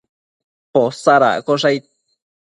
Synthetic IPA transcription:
posaɾa̰koʂajt̪̚

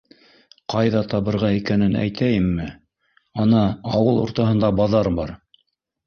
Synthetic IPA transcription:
qɑjðɑt̪ɑβɤ̆ɾʁɑikænɘnæ̰jt̪ʰæjɘmːɘ | ɑnɑɑwɤlˠṵɾt̪ɑɦɤ̆nd̪ɑbɑðɑɾbɑɾ

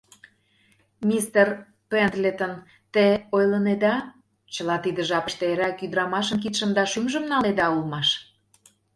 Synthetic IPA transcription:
mʲist̪er | pend̪lʲet̪ən | t̪eojləned̪ɑ | t͡ɕəlɑt̪id̪ə̆ʒɑpəʃt̪eeɾækyd̪ɾɑmɑʃəmk̬it̪ʃə̆md̪ɑʃymʒə̆mnɑned̪ɑulmɑʃ

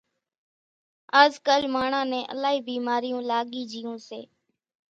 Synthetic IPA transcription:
aːzkəlmaːɳãːnɛ̃ːʔə̰laːɦiːbiːmaːɾɪjõːlaːɠiːd͡ʒijõːsḛː

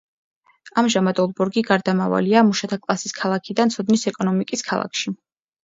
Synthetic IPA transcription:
amʒamad̪ɔlˠbuɾɡiɡaɾd̪amava̰liamuʃat̪ʰakʼlˠasiskʰalˠakʰid̪ant̪sʰɔd̪nisɛkʼɔnɔmikʼiskʰa̰lˠa̰kʰʃi

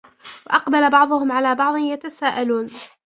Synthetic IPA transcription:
waʔɑqbalabɑʕðˤʊhʊmʕalaːbɑʕd̪ˤɨnjat̪asaːʔaluːn

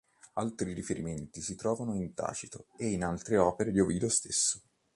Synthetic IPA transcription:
alt̪ɾiɾifeɾiment̪isit̪ɾɔːvanoint̪a̰ːt͡ʃit̪oeinalt̪ɾeɔːpeɾelovilost̪esːo̥

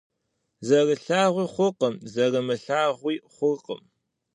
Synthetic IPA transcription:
zɐrəɬaːʁʷiːχʷʊqəmzɐrɨmɨɬaːʁʷiːχʷʊrqə̰m

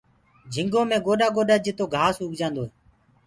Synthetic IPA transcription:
d͡ʒʱɪŋɡõːmẽːɡoːɗaːɡoːɗaːd͡ʒɪt̪oːɡʱaːsuːkd͡ʒãːnd̪oːɦɛː

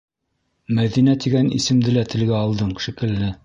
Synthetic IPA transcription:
mæðinæt̪iɡænḭsɘ̆md̪ɘlæt̪ɘ̆lɡæɑlˠd̪ɤɴʃikɘ̆lnɘ

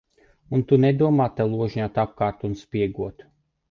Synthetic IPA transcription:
unt̪unɛd̪uɔmaːt̪ːalˠuɔʒɲat̪ap̚kaːɾt̪unspʲiɛɡuɔt̪

